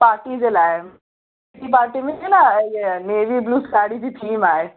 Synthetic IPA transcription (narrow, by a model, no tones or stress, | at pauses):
paːɾʈid͡ʑelaːɦe | t̪ip̬aːɾʈimẽelaneʋiːbluːskaːɽid͡ʑiːʈʰiːmaːɦe